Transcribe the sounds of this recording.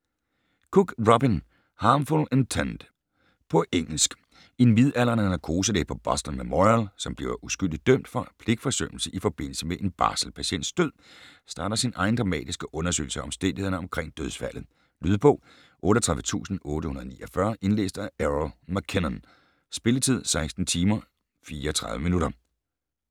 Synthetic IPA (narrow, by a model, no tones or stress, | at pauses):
kʰuɡ̥ʁɒbin | hɑ̈ːmfulent͡sʰænd̥ | pʰɒ̽ʔeŋ̰l̩sɡ̥ | e̝nʋið̞ˠæl̰ɐnænækʰo̝ːsədḛpʰɒ̽b̥ɒ̽sd̥ɐnmemɒʁælsɒ̽mb̥liʊɐʔusɡ̥yl̰d̥idd̥œm̰d̥fɒ̽pʰle̝ɡ̥fɒ̽sø̰nl̩səʔifɒ̽b̥e̝n̰l̩səmeʔe̝nb̥ɑ̰̈ːsəl̩pʰæɕen̰d̥sd̥øð̰ˠsd̥ɑ̈ːd̥ɐsinʔɑ̈ɪn̩d̥ʁɑ̈mɛ̰ːd̥isɡ̥əʔɔ̽nɐsø̰ɪl̩səɒ̽msd̥en̰dihe̝ɐnəɒ̽mkʰʁeŋ̰d̥øðˠsfæl̰ð̩ˠ | lyð̞ˠb̥ɔ̰̽ː | ʔɔ̽ːɾəɐɒt͡sʰʁɑ̈ʋət͡sʰṵːsn̩ɔ̽ːɾəhunɐðˠnḭːʔɐfɶɐʔe̝nlḛːsd̥ææʁlmækʰenn | sb̥e̝lət͡sʰið̞̰ˠsɑ̈ɪsd̥n̩t͡sʰiːmɐ | fiːɐɒt͡sʰʁɑ̈ðˠʋəminuɾɐ